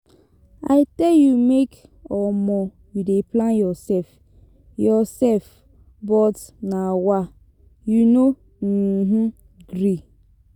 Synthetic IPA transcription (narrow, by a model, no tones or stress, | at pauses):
a̰ɪtejumekɔmɔ | judeplãnjɔsɛf | jɔsɛf | bɔtnawa | juno | ɦu | ɡɾi